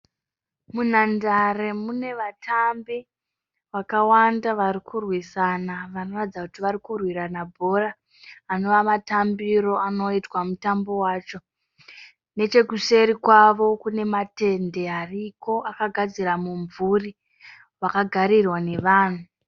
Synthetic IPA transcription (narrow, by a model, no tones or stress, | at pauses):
munandare̞mune̞ʋatʰambi | ʋakawandaʋaɾikʰurwisanaʋano̞rad͡zakutiʋaɾikurwiɾanabʱo̞raː | no̞ʋamatambiɾo̞ano̞itwamutambo̞waːt͡ʃo̞ | ne̞t͡ʃe̞kuse̞ɾikwaʋo̞kune̞mate̞nde̞ariko̞ʔakaɡʱad͡ziɾamuɱvuri | ʋakaɡʱaɾirwane̞ʋaːn̤u